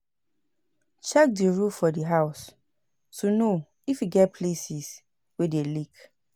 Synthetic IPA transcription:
t͡ʃɛk̚diɹufɔdiɦaʊs | tuno | ifiɡɛt̚pʰlesis | wedelik

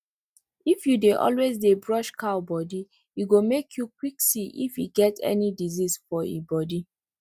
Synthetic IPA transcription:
ifjudeʔɔ̰lwezdebɹɔʃkaʊbɔdi | iɡomekʰjukwiksiʔḭfḭɡɛtʰɛ̰nidizisfɔḭbɔdi

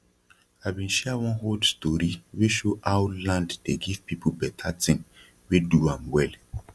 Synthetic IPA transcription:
aɪbĩnʃɛawɔ̃nhodstɔɾiweʃoʔaʊlãnddeɡiv̥pipʰubɛtʰatĩŋ | weduãmwɛl

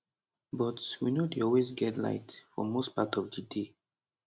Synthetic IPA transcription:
bɔtwinodeɔlwezɡɛtla̰ɪtfɔ̰most̚patɔvdəde

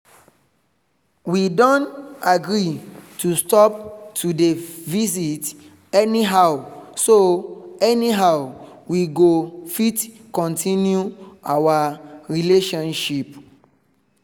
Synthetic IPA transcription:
widɔ̃ntaɡɹitʰustɔp̚tʰudevizit | ɛniɦaʊsoɛniɦaʊ | wiɡofitkɔ̃ntĩnjuawaɹileʃɔ̃nʃip

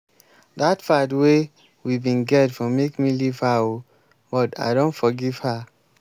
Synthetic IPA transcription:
datfatwe | wibĩnɡɛtfɔ̃mekmiliv̥hawo | bɔta̰ɪdõntfɔɡiv̥ha

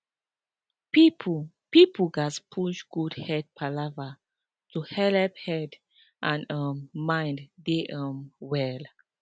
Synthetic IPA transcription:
pip | pipuɡaspʰuʃɡudhɛd̚pʰalava | tuhɛlɛp̚hɛd | ʔãnʌmːãjnddeʔʌmwɛl

